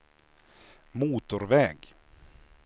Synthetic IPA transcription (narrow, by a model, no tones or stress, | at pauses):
muːt̪ʊɾvɛːɡ